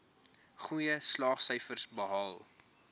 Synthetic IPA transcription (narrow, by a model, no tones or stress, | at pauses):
χujəslɑːχsəjfərsbəɦɑːlˠ